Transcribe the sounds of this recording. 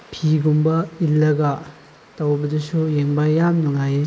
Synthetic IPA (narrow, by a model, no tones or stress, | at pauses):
pʰiɡumbɐilːɐɡɐ | tɐwbɐdusujeŋbajamnuŋaje